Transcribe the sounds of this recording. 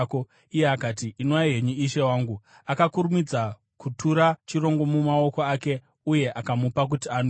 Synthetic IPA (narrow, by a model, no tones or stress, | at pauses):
ko | ijeakaːtiʔːnoaɦe̞ɲuiʃe̞waːŋɡu | akakuɾumid͡za | kutʰuɾat͡ʃiro̞ŋɡo̞mumao̞ko̞ake̞ | uje̞ʔakamupak̬utian